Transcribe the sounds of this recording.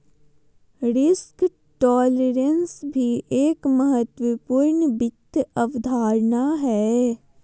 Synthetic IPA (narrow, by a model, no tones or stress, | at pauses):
ɾɪsk | ʈɔːleɾənsbʱiʔeːkməɦət̪wəpuːɾɳəbɪt̪əʋd̪ʱaːɾnaɦɛː